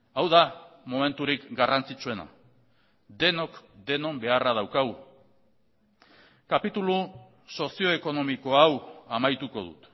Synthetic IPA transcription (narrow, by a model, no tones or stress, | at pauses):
awðamome̞nt̪uɾikɡarant͡sit͡sue̞na̰ | d̪e̞no̞kd̪e̞no̞mbe̞araðawkaɣu | kapit̪ulu | so̞sio̞eko̞no̞miko̞awamajt̪uko̞ðṵt̪